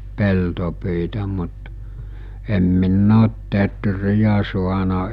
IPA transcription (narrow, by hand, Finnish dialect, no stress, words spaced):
peltopyitæ mut em minː oːt tetrijæ suɑnɑ